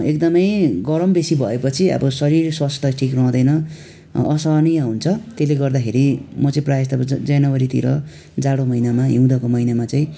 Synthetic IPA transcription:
ek̚d̪ʌmʌjɡʌɾʌmbesibʱʌepʌt͡sʰiʌ̰bʌsʌɾirswast̪ʰʌʈʰikrʌw̃d̪ʌjnʌ | ʌsʌnijaɦunt͡sʰʌt̪eleɡʌrd̪akʰeɾimʌt͡sʌĩprajast̪ʌbʌd͡zʌjnʌwʌɾit̪ḭɾʌ̰ | d͡zaɽomʌinamaɦĩw̃d̪ʌkomʌinamat͡sʌĩ

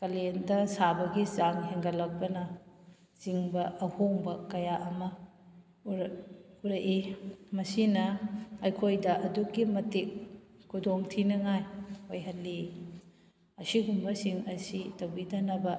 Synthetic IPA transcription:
kɐlendɐsabɐɡizaŋɦeŋɡɐlɐk̚bɐnɐ | ziŋbɐʔɐhoŋbɐkɐjaʔɐmɐ | uɾɐjʔimɐsinɐːjkʰojdɐʔɐdukːimɐtik̚ | kʰːudoŋtʰinɐŋajhojɦɐlːi | ɐsiɡumbɐsiŋɐsitɐwbidɐnɐbɐ

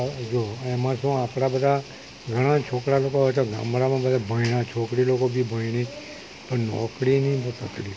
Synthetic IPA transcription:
d͡ʒoɛmãsõapɽ̃abəd̪ʱa | ɡʱəɽ̃ãt͡ʃʰokɽalokoat͡ʃʰaɡa̰ːmɽamãbəd̪ʱabʱəiɽ̃ãt͡ʃʰoːkɽilokobʱibʱəiɽ̃i | pəɳnɔ̰kɽinəĩbət̪ək̪li

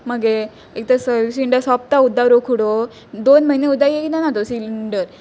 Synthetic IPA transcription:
məɡe | ek̚t̪əsəʋisiɳɖəɾsɔp̚t̪aud̪ʱːaɾokʰuɽo | d̪onməineud̪ʱajekinanat̪osiliɳɖəɾ

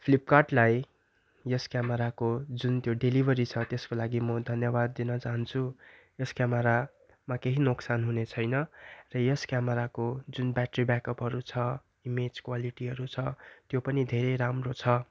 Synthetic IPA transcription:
pʰlip̚karʈlaj | jʌskjamʌɾakod͡zunt̪joɖelibʱʌɾit͡sʰʌt̪eskolaɡimʌd̪ʱʌnjʌbad̪ːinʌt͡saɦʌnt͡sʰu | jʌskjamʌɾa | makeɦinoksanɦunet͡sʰʌjnʌrʌjʌskjameɾakod͡zunbjaʈribakʌpɦʌɾut͡sʰʌ | imed͡zkwaliʈiɦʌɾut͡sʰʌt̪jopʌnid̪ʱeɾeɾamrot͡sʰʌ

